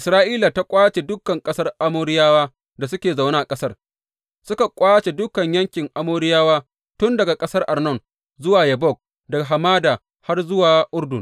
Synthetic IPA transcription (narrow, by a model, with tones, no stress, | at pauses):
ʔɪ˨sɾaː˦ʔiː˦la˨ta˦kʷʼaː˦t͡ʃe˨dʊ˦kɐ˨ŋkʼɐ˦sɐ˦rʔa˦moː˦ɽɪ˦jaː˦waː˦ | da˨s̬ʊ˦kʲeː˨za˨wna˦a˨kʼɐ˦sɐ˦r | sʊ˦ka˨kʷʼaː˦t͡ʃe˨dʊ˦kɐ˨ɲjɐ˦ŋkʲɪ˨ŋʔa˦moː˦ɽɪ˦jaː˦waː˦ | tʊ˦ndɐ˨ɡa˨kʼɐ˦sɐ˦rʔa˨rnɔ˦˨n | zʊ˦waː˨jɐ˨bɔ˦˨k̚ | dɐ˨ɡa˨ɦa˨maː˦da˨ | ha˦rzʊ˦waː˨ʔʊ˦rdʊ˨n